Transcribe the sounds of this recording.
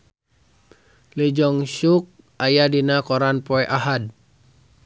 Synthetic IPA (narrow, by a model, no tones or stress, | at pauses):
lid͡ʒɔŋʃuk̚ | ajadinakɔɾanpɔɛʔaɦad̚